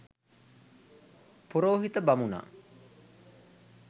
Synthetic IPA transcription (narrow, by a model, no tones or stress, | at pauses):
puɾoːɦit̪əbamuna̰ː